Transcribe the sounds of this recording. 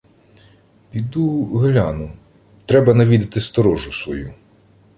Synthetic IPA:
pʲid̪uɦlʲanʊ | t̪ɾɛbɐnɐʋʲid̪ɪt̪ɪst̪ɔɾɔʒʊsʋɔju

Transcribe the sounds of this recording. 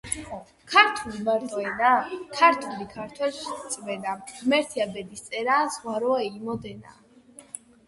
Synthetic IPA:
kʰaɾt̪ʰulimaɾt̪ʼɔɛnakʰaɾt̪ʰulikʰaɾt̪ʰwɛlʃit̪sʼvɛnamɛɾt̪ʰiabɛd̪ist̪sʼɛɾaːzʁwaɾɔaimɔd̪ɛna̰ː

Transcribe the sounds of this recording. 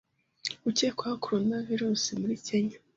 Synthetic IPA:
uceːkoakoɾo̞naviɾusimuɾice̞ɲa

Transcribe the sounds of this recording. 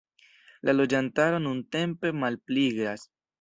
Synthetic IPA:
lʔalo̞d͡ʒantaɾo̞nunte̞mpe̞malpliɡɾas

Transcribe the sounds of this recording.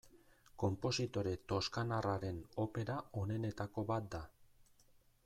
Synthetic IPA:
ko̞mpo̞sit̪o̞ɾe̞t̪o̞skanaraɾe̞no̞pe̞ɾao̞ne̞ne̞t̪ako̞βat̪̚d̪a

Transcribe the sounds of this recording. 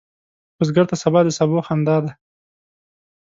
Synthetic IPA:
pos̬ɡəɾt̪asabɑd̪əsaboxand̪ɑd̪a

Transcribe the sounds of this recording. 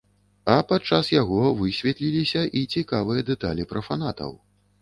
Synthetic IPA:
ɐpat̪t͡ʂasjaɣɔvɨsʲvʲɛt̪lʲilʲisʲɐʔit͡sʲikavɨjɐd̪ɛt̪a̰lʲipɾɐfanat̪ɐ̰w

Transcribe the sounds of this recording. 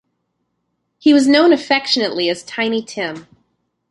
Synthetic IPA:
hiwʌznõʊ̃nɨfɛkʃɨnɨʔˡliɨz̥tʰãɪ̃nitʰɪ̃m

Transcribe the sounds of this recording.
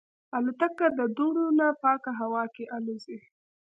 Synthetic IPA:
alut̪ak̚ːad̪əd̪oɽonapɑkaɦawɑkeʔalozi

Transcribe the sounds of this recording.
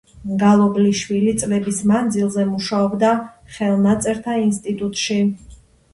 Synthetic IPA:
ɡalˠɔbliʃwilit̪sʼlɛbismand̪zilˠzɛmuʃaɔbd̪a | χɛlˠnat̪sʼɛɾt̪ʰainst̪ʼit̪ʼut̪ʼʃi

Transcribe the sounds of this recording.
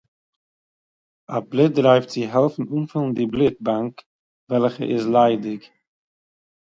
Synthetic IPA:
ablˠɪt̚dɾaɪftt͡sɪɦɛlˠfn̩uːnfɪlˠndɪblˠɪt̚baŋk | vɛlˠχəʔɪzlˠaɪdɪk

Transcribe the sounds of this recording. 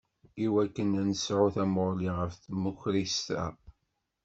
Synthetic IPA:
iwækːənænəsʕuθæmʊʁliʁəfθmuçɾist̪æ̰

